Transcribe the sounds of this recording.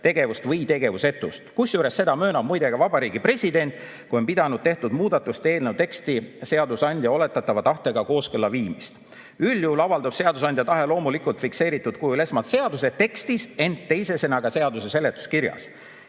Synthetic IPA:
t̪e̞ɡ̥e̞vust̪vɤjt̪e̞ɡe̞vuse̞t̪ˑːust̪kusjuːɾe̞sːe̞d̪̥ɑmø̞ːnɑb̚mujd̪e̞ɡ̥ɑvɑbɑɾiːɡipre̞sʲid̪e̞nʲt̪ˑ | kujo̞npid̪ɑnud̪̥̚t̪e̞ht̪ud̪̥muːd̪̥ɑt̪ːˑust̪e̞ːlnewt̪e̞kst̪ise̞ɑd̪usɑnʲd̪̥ʲjɑo̞le̞t̪ːˑɑt̪ːˑɑvɑt̪ɑht̪eɡ̥ɑko̞ːskɯlːɑviːmist̪ | ylːjuhulɑvɑld̪ub̥se̞ɑd̪us̬ɑnʲd̪jɑt̪ɑɦe̞lo̞ːmulikult̪fikse̞ːɾit̪ːˑud̪kujle̞smɑlt̪se̞ɑd̪uset̪ːe̞kst̪ise̞nt̪t̪ːe̞jsese̞nɑɡɑse̞ɑd̪use̞se̞le̞t̪ːˑu̥skirjɑ̰s

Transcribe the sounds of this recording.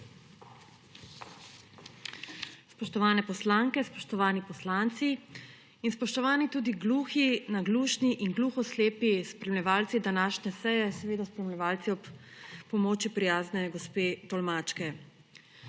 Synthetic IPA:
spɔʃt̪ɔʋaːnɛpɔslaːŋkɛspɔʃt̪ɔʋaːnipɔslaːnt̪si | inspɔʃt̪ɔʋaːnit̪uːd̪iɡluːxinaɡluːʃniʔinɡluːxɔsleːpispɾɛmlɛʋaːlt̪sid̪anaːʃnɛsɛjɛsɛʋeːd̪aspɾɛmlʲɛʋaːlt̪siɔp | pɔmoːt͡ʃipɾijaːznɛɡɔspeːt̪ɔlmaːt͡ʃkɛ

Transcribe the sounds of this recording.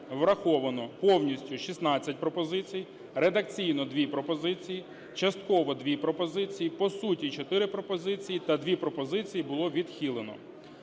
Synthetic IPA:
ʋɾɐxɔʋɐnɔpɔwnʲisʲtʲʊʃʲisnɑt͡sʲːɐtʲpɾɔpɔzɪt͡sʲiji | red̪ɐkt͡sʲijnɔd̪ʲʋʲipɾɔpɔzɪt͡sʲiji | t͡ʃɐst̪kɔʋɔd̪ʋʲipɾɔpɔzɪt͡sʲijipɔsutʲit͡ʃɔt̪ɪɾɪpɾɔpɔzɪt͡sʲijit̪ɐd̪ʋʲipɾɔpɔzɪt͡sʲijibʊlˠɔʋʲid̪xʲilˠenɔ̰

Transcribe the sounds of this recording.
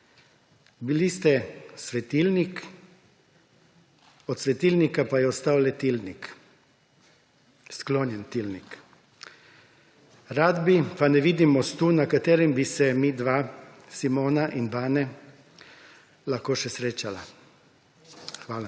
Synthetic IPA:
bilist̪ɛsʋɛt̪iːlnik | ɔt̪sʋɛt̪iːlnikapajɛɔst̪aːwlɛt̪ilnik | skloːnjɛnt̪ilnik | ɾaːd̪bipanɛʋid̪imɔst̪unakat̪eːɾimbisɛmid̪ʋaː | simoːnaʔinbaːnɛ | laxkoːʃɛsɾeːt͡ʃala | xʋaːla

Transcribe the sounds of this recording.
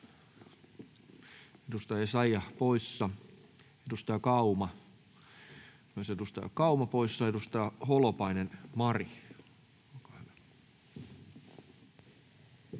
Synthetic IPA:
ed̪ust̪ɑɑsɑjjɑpoisːɑ | ed̪ust̪ɑjɑkɑumɑ | nosed̪ust̪ɑ̰j̰kɑumɑpoisːɑed̪ust̪ɑjɑholopɑinenmɑri | olkɑhyʋæ

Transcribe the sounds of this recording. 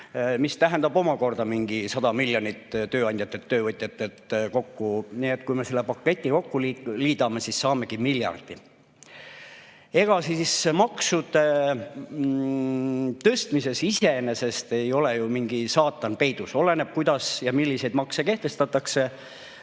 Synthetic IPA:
mist̪æɦɛnd̪ɑbo̞mɑko̞rd̪̥ɑmiŋɡ̥isɑd̪̥ɑmilːjonit̪ːt̪øːɑnʲd̪jɑt̪ːˑet̪ːøːvɤt̪ʲːˑjɑt̪ːˑet̪ko̞kːuniet̪kujmese̞lːepɑkːˑe̞t̪ʲːˑiko̞kːuliliːd̪ɑme̞sisːɑːme̞ɡ̥imiljɑ̰rd̪̥i | e̞ɡ̥ɑsismɑksud̪̥e | t̪ɤst̪mise̞sise̞nese̞st̪e̞jo̞le̞jumiŋɡ̥isɑːt̪ːˑɑnpe̞jd̪̥uso̞le̞neb̥̚kujd̪̥ɑsjɑmilʲːise̞jd̪mɑkseke̞ht̪e̞st̪ɑt̪ːˑɑkse̞

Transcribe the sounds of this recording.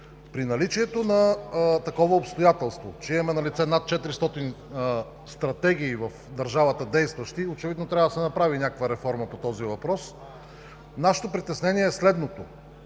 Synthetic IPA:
pɾinɐlit͡ʃiɛt̪onɐt̪ɐkɔvəopst̪ojat̪ɛlˠst̪vo̰t͡ʃɛimɐmɛnɐlit̪sɛnat̪̚t͡ʃɛt̪iɾist̪ɔt̪in | st̪ɾɐt̪ɛɡ̟iːvɐfd̪ɐɾʒavət̪əd̪ɛjst̪vɐʃt̪iot͡ʃɛvid̪not̪ɾʲavəd̪ɐsɛnɐpɾavinʲakəkvəɾɛfɔɾməpot̪ɔzivɐpɾɔs | naʃɛ̥t̪opɾit̪ɛsnɛniɛːslɛd̪not̪o

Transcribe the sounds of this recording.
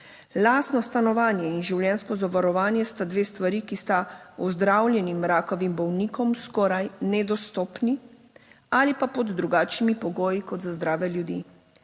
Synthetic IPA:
laːsnɔst̪anɔʋaːnjɛinʒiwljɛnskɔzaʋaɾɔʋaːnjɛst̪ad̪ʋeːst̪ʋaɾiːkist̪aɔzd̪ɾawljɛnimɾaːkɔʋimbɔwniːkɔmskɔːɾajnɛd̪ɔst̪ɔːpni | aːlipapɔd̪ːɾuɡaːt͡ʃnimipɔɡoːjikɔd̪zazd̪ɾaːʋɛljud̪ḭ

